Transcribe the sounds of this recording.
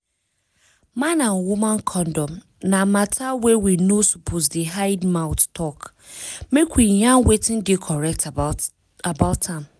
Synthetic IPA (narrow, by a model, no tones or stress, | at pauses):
mãnãnwumãnkʰɔ̃ndɔ̃m | namatʰawewinosupʰozdiɦaɪdmaʊttʰɔk | mekwijãnwetɪ̃ndɪkʰɔɹɛk̚t | abaʊtãm